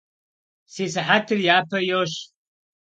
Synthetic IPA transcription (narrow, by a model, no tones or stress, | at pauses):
sezħatʰɨrjaːpʰɐjoʃ